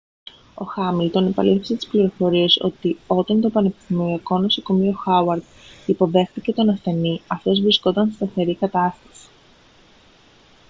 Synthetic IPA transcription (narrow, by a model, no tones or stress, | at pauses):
o̞̰xɐmilt̪o̞ne̞pɐliθese̞t̪i̥spliɾo̞fo̞ɾie̞so̞̰t̪io̞t̪ɐnt̪o̞pɐne̞pist̪imoɾiɐko̞nosoko̞mio̞xɐwɐɾd̪ipo̞ðe̞xt̪ice̞t̪o̞nɐst̪e̞niɐft̪o̞zvɾisko̞t̪ɐnsest̪ɐθe̞ɾikɐt̪ɐst̪ɐ̥si̥